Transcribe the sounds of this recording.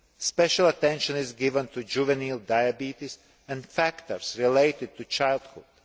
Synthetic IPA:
spɛʃalˠat̪ɛ̃nʃɔ̃nizɡɪvə̃nt̪ʰud͡ʒuvɛnilˠd̪ajabit̪is | ɛ̃ndfækt̪əɾsɾileɪt̪ɪd̪̚t̪ut͡ʃajlˠd̪hʊ̰d̪̥

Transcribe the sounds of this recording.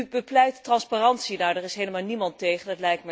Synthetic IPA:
bəplɛjttrɑnspaːrɑntsinaːdərɪsɦejləmaːlˠnimɑntejχəndɑtlɛjk̚tmə

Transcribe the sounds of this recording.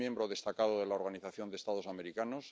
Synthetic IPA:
je̞mbɾoðe̞st̪akaðoð̞e̞laoɾɣaniθaθjo̞nd̪est̪að̞o̞same̞ɾikanos

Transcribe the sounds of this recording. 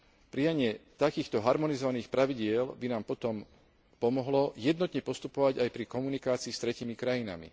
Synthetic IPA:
pɾijaɲɪɛt̪akiːxt̪ɔɦaɾmɔnizɔʋaniːxpɾaʋiɟɪɛlbinaːmpɔt̪ɔm | pɔmɔɦlɔjɛd̪nɔt̪ɲɛpɔst̪upɔʋaɟajpɾikɔmunikaːt͡siːst̪ɾɛciːmikɾajina̰mḭ

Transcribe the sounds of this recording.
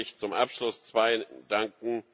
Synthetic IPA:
ɪçt͡sʊmʔapʃlʊst͡sv̥aɪdaŋkŋ̩

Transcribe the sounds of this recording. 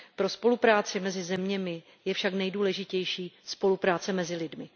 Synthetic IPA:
pɾo̞spo̞lupɾaːt͡sɪmɛzɪzɛmɲɛmɪ | jɛfʃaknɛjduːlɛʒɪcɛjʃiːspo̞lupɾaːt͡sɛmɛzɪlɪdmɪ

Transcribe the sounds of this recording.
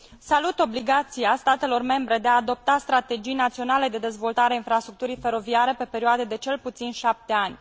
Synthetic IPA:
salut̪o̞bliɡat̪siast̪at̪e̞lo̞rme̞mbɾe̞d̪eaːd̪o̞p̚t̪ast̪ɾat̪e̞d͡ʒijnat̪sio̞nale̞d̪e̞d̪e̞zvo̞lt̪aɾeainfɾast̪ɾukt̪uɾijfe̞ɾo̞viaɾe̞pe̞pe̞ɾioad̪ed̪e̞t͡ʃe̞lput̪sinʃap̚t̪e̞anʲ

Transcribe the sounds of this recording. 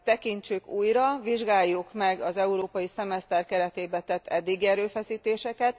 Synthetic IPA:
t̪ɛkint͡ʃykuːjɾɒʋiʒɡaːjːukmɛɡɒzɛuɾoːpɒjisɛmɛst̪ɛrkɛɾɛt̪eːbɛt̪ɛt̪ːɛd̪ːiɡiɛɾøːfɛsiːt̪eːʃɛkɛt̪

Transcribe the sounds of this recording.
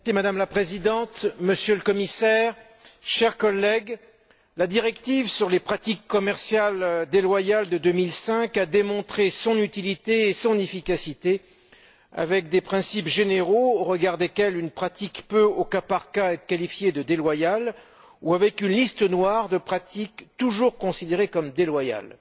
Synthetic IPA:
imad̪amlapχezid̪ɑ̃t̪məsjøləkɔmisɛʁ | ʃɛʁkɔlːɛɡ | lad̪iʁɛkt̪ivsyʁlepχat̪ikːɔmɛʁsjald̪elwajald̪əd̪ømilsɛ̃kad̪emɔ̃t̪χesɔ̃nyt̪ilit̪eːsɔ̃nefikasit̪e | a̰vɛk̚d̪epχɛ̃sipʒeneʁooʁəɡaʁd̪ekʲɛlynpχat̪ikpøokapaʁkaɛt̪χə̥kalifjed̪əd̪elwajal | uavɛkynlist̪ənwaʁd̪əpχat̪ikt̪uʒuʁkɔ̃sid̪eʁekɔmd̪elwaja̰l

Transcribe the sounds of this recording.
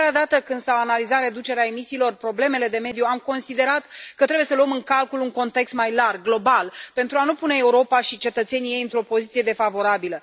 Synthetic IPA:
ɾad̪at̪əkɨnd̪̥sawanalizat̪ɾe̞d̪ut͡ʃe̞ɾeae̞misiːlo̞rpɾo̞ble̞me̞le̞d̪e̞me̞d̪juamko̞nsid̪e̞ɾat̪kət̪ɾebuje̞səluəmɨŋkalkuluŋko̞nt̪e̞kst̪majlarɡlo̞balpe̞nt̪ɾuanupune̞euɾo̞paʃit͡ʃe̞t̪ət̪se̞nije̞jɨnt̪ɾo̞po̞zit̪ije̞d̪e̞favo̞ɾabilə

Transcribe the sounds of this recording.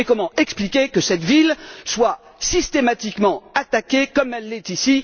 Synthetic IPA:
ekɔmɑ̃ɛksplikʲekəsɛt̪vilswasist̪emat̪ikmɑ̃at̪akʲekɔmɛlːɛt̪isi

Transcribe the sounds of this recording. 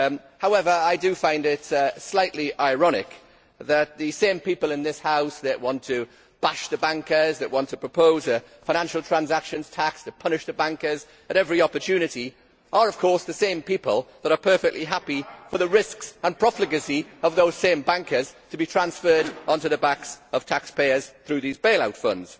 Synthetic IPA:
haʊɛvə˞aɪdɨfãɪ̃ndɪtslaɪʔliʔaɪɹɑnɪ̰k | ðət̪̚ðɨsẽɪ̃mpipəlˠɪ̃nðɪshaʊsðɨʔwɑ̃ntʰɨ | b̥aʃðɨbæ̃ŋkə˞zðɨʔ̚wɑ̃ntʰəpʰɹ̥əpʰoʊzɨ | faɪñæ̃nʃl̩ˠtʰɹ̥ãnzakʃɨ̃nz̥tʰakstʰəpʰʌnɨʃðəbæ̃ŋkə˞z | əɾɛvɹiɒpə˞tʰʉnɨɾi | ʔə˞ʌv̥kʰɔɹsðəsẽɪ̃mpipəlˠðəɾə˞pʰɜ˞fɛk̚tʔˡliɦapifə˞ðəɹɪsksə̃npʰɹ̥ɒflɨɡɨsiʌvðoʊz̥sẽɪ̃mbãŋkʰə˞z̥tʰəbitʰɹ̥ãnsfɜ˞ɾʔə̃ntʉðəbaksʌv̥tʰakspʰeɪə˞z̥θɹʉðizbeɪlˠaʊtfʌ̰̃ndz̥

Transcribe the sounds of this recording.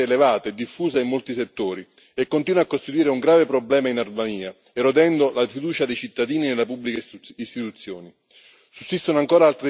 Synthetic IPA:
eːlevaːt̪eːd̪ːifːuːzaimːolt̪iset̪ːoːɾi | ekːont̪iːnwakːost̪it̪uwiːɾeuŋɡɾaːvepɾoblɛːmainarmaniːa | eɾod̪ɛnd̪olafid̪uːt͡ʃad̪ejt͡ʃit̪ːad̪iːninelapubːlikist̪it̪ut̪sːjoːni | susːist̪onoaŋkoːɾaalt̪ɾe

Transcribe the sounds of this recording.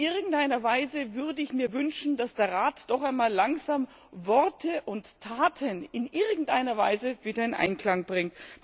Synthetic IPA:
ɪʁɡŋ̩tʔaɪnɐvaɪzəvʏɐdəɪçmiːɐvʏnʃn̩d̥asd̥eːɐʁaːtd̥ɔχaɪnmaːlːaŋzaːm | vɔʁtʰəʔʊntːʰaːtʰənɪnʔɪʁɡŋ̩tʔaɪnɐva̰ɪzəviːdɐɪnʔa̰ɪnkl̥aŋb̥ʁɪŋt

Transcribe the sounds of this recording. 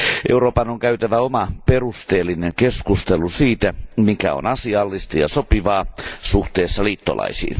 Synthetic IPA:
ʔeuɾoːpɑnoŋkæyt̪æʋæomɑperust̪eːlːineŋkeskust̪elusiːt̪æmikæ̰o̰nɑsiɑlːist̪ɑjɑsopiʋɑːsuht̪eːsːɑliːt̪ːolɑ̰isḭː

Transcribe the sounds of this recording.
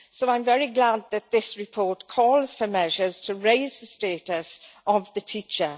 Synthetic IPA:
soʊãɪ̃ɱvɛɹiɡlad̪̚ðət̪̚ðɪsɹɪpʰɔɹtkʰɔːlˠz̥fəmɛʒəz̥tʰəɹeɪzðəsteːtəsəvðətʰiˑt͡ʃə

